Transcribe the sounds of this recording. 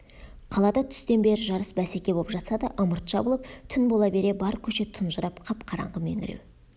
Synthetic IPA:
qʰɑlˠɑd̪ɑt̪ʰʏ̥st̪e̞nbe̞ɾɪʒɑɾəsbæsekʲe̞bo̞lˠəpʒɑt̪sɑd̪ɑ̰ʔəməɾt̪ʒ̥ɑbəlˠəp̚t̪ʰʏnbo̞lˠɑbe̞ɾe̞bɑɾkʲʰɵʃe̞t̪ʰʊnʒəɾɑpqʰɑp̚qʰɑɾɑ̰ɴʁəmḛŋɪɾḛw

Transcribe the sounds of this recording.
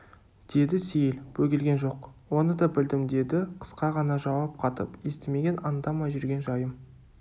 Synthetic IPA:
d̪̥e̞d̪ɪsejɪlbɵɡʲɪlɡʲe̞nʒo̞qwo̞nəd̪ɑbɪld̪ɪmd̪e̞d̪ɪqʰə̥sqɑʁɑnɑʒɑwɑp̚qʰɑt̪əpest̪eme̞ɡʲe̞nɑnd̪ɑmɑʒʏɾɡʲe̞nʒɑjəm

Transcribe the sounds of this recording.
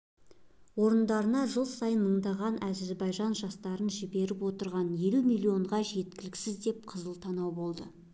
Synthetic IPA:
wo̞ɾənd̪ɑɾənɑʒəlˠsɑjənməɴd̪ɑʁɑnæzɪzbɑjʒɑnʒɑst̪ɑɾənʒɪbe̞ɾɪpwo̞t̪əɾʁɑnje̞lumilʲˠio̞ɴʁɑʒe̞t̪̚kʲɪlɪksɪzd̪e̞p̚qʰəzəlˠt̪ʰɑnɑwbo̞lˠd̪ə

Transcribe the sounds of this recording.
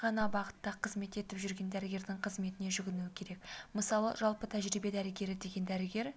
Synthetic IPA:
ʁɑnɑbɑʁət̪ːɑqʰəzme̞t̪e̞t̪ɪpʒʏɾɡʲe̞nd̪æɾɪɡʲe̞ɾd̪ɪŋqʰəzme̞t̪ɪneʒʏɡʲɪnuwɪkʲʰe̞ɾe̞kməsɑlˠə̰ʒɑlˠpət̪ʰæʒɾibe̞d̪æɾɪɡʲe̞ɾɪd̪e̞ɡʲe̞nd̪æɾɪɡʲe̞ɾ

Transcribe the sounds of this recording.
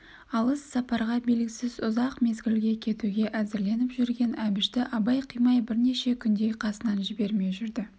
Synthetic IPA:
ɑlˠəsːɑpɑɾʁɑbelɡʲɪsɪzʊzɑqme̞zɡʲɪlɡʲe̞kʲʰe̞t̪uɡʲe̞ʔæzɪɾle̞nɪpʒʏɾɡʲe̞nʔæbɪʃt̪ɪʔɑbɑjqʰijmɑjbɪɾne̞ʃe̞kʲʰʏnd̪e̞jqʰɑsənɑnʒɪbe̞ɾme̞ʒʏɾd̪ɪ

